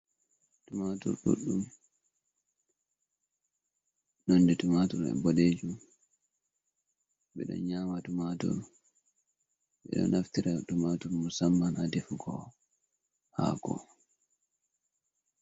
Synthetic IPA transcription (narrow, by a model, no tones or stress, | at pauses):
d̥umadɔ̰ɾɗṵɗːum | nɔndɛtumatɔɾɛ̰bɔleːd͡ʒum | ɓɛɗɔ̰nɲamadumadɔ̰ɾ | ɓɛ̰ɗɔ̰naftiɾadumatɔɾmusamːanadefuɡɔ | ha̰ːɡɔ̰